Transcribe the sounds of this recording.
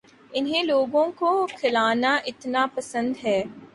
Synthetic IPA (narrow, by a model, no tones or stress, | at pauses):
ɪnɦẽːloːɡõkokʰɪlaːnaːʔɪt̪naːpɐsə̃nd̪ɦɛː